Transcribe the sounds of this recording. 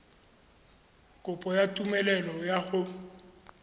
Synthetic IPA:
kʼʊpʼɔjatʼumɛlɛlɔjaɣʊ

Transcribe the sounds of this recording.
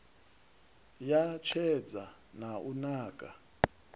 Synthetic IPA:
jat͡ʃʰɛd͡za | naʔunaːkʼa̰

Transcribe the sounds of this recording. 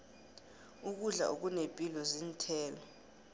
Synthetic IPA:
uk̬uɮa̰ʔuk̬unepʼilɔzintʰɛːlɔ

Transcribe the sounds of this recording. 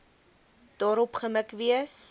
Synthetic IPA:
d̥ɑːɾɔpχəməkviəs

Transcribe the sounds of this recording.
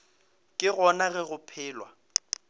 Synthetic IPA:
kʼɪɣɔnaɣɛɣʊpʰɪːlwa

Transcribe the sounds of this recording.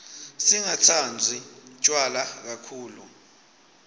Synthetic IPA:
siŋat͡sʰand͡zʱit͡ʃʼwalak̬akʰuːlu

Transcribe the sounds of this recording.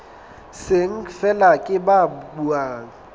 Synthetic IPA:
seŋ̩fɛlakʼɪbabuaːŋ̩

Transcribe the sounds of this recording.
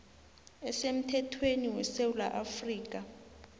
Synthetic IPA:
ɛsem̩tʰɛtʰweniwɛsewula̰ʔafriːk̬a

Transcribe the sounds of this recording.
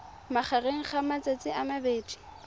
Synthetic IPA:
maχɛreŋ̩χamat͡sʼet͡sʼɪʔamabeːdʼi̥

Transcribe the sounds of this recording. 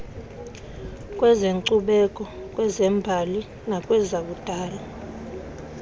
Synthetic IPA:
kʼwɛzeŋǀuɓɛkʼɔ | k̬ʼwɛzɛmbʱali | nakʼwɛzak̬ud̥ʱaːla

